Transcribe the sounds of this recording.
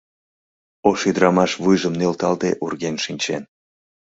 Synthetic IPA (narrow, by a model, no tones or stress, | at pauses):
oʃyd̪əɾɑmɑʃβujʒəmnelt̪ɑlt̪ḛʔurɣenʃinʲt͡ɕen